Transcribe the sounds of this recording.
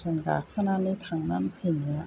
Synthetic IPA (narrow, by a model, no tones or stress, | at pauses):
sanka̰kʰananiːt̪ʰaŋnanpʰeniɐ